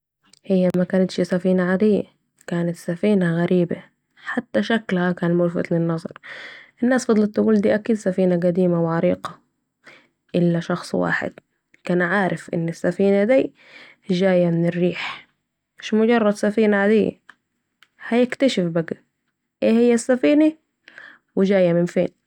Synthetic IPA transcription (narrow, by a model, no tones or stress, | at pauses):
hɪjːamakaːnat̪ʃsafiːnaʕad̪ɪjːa̰ | kaːnat̪safiːnaɣaɾiːba | ħat̪ːaʃaklhakaːnmʊɾfa̰t̪lɪnːɑzˤɑ̰ɾˤʔɪnːaːsfɑd̪ˤlɑt̪ːaɡuːld̪iːʔakiːd̪safiːnaɡad̪iːmawʕɑɾiːqɑ | ʔɪlːaʃɑxsˤwa̰ːħɪ̰d̪̥ | kaːnʕaːɾɪfʔɪ̰nːɪsːafiːnad̪iː | ʒaːjamɪnɪrːiːħ | ʃmʊd͡ʒɑrˤːɑd̪safiːnaʕad̪ijːa̰ | hajɪkt̪aʃɪfbaɡa | ʔeːhɪjːasːafiːna | wɪd͡ʒaːjːamɪnfḛːn